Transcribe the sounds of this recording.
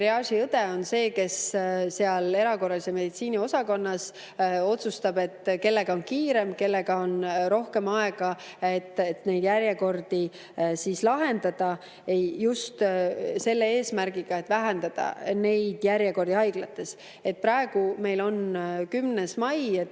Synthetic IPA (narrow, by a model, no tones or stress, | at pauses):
ɾeɑʃiɤt̪eo̞nse̞ːke̞sseɑle̞ɾɑko̞rːɑliseme̞d̪it̪siːnio̞sɑko̞nːɑs | o̞t̪sust̪ɑbe̞t̪ːke̞lːe̞ɡ̥ɑo̞nkiːɾe̞mke̞lːe̞ɡ̥ɑo̞nɾo̞hke̞mɑe̞ɡ̥ɑet̪ːet̪ne̞jd̪̥jæɾjeko̞rd̪̥i | siːslɑɦe̞nd̪̥ɑd̪̥ɑ | ejjust̪se̞lːee̞ːsmæɾɡiɡ̥ɑe̞t̪ːˑvæɦend̪̥ɑd̪̥ɑ̰ne̞jd̪̥jæɾjeko̞rd̪̥iɑjɡ̥lɑt̪ːˑe̞s | e̞t̪̚pɾɑeɡ̥ume̞jlo̞nkymnesmɑjet̪ː